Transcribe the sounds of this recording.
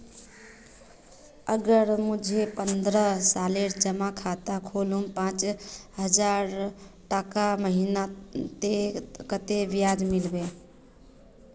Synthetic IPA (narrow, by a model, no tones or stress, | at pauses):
əɡəɾmud͡ʒʱepənd̪ɾəsaleɾd͡ʒəmakʰat̪akʰolumpãt͡ʃɦəd͡ʒaɾʈəkaməɦinat̪ekət̪eʋijad͡ʒmilbe